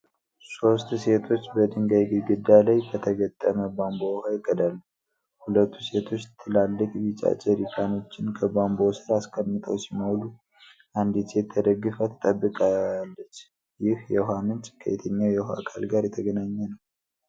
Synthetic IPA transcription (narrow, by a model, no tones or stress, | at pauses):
so̞st̪se̞t̪ʰo̞t͡ʃːbəd̪ɨŋɡajɡɨɡɨd̪ːalajbət̪ʰəɡət̪ʼːəməbambohajkʼːəd̪alːu | hulət̪ʰːuse̞t̪ʰo̞t͡ʃːt̪ʰːɨlalːɨkʼjit͡ʃʼa̰t͡ʃʼɛɾikʰano̞t͡ʃːɪnkʰəbambosɨɾaskʰʼəmːɨt̪ʼəwsiməwlu | ʔand̪it̪ʰet̪ʰːəd̪əɡːɨfət̪ʰt̪ʼəbːɨkʼaalːət͡ʃː | jɪhjɛɦanɨnt͡ʃʼkʰːəḛt̪ʰəɲːajɛha̰kʰa̰lɡaɾjɛt̪ʰəɡənaɲːɛnəww